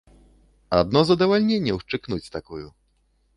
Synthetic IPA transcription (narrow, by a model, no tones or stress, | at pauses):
ad̪̚nɔzad̪ɔvalʲɲʲeɲʲɛwʂt͡ʂɨknut͡sʲst̪akuju